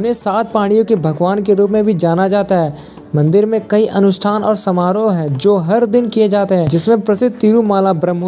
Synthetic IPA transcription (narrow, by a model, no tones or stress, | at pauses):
ʊnɦẽsaːt̪̚paːɽ̃ijõkebʱɐɡʋaːnkeɾuːpmẽbʱid͡ʒaːnad͡ʒaːt̪aɦɛː | mɐ̃nd̪ɪɾmẽkɐiʔɐnʊʃʈʰaːnɔːɾsɐmaːɾoɦɛːd͡ʒoːɦɐɾd̪ɪnkijed͡ʒaːt̪eɦɛ̃d͡ʒɪsmẽpɾɐsɪd̪̚ʱt̪iːɾumaːlabɾə̃mɦo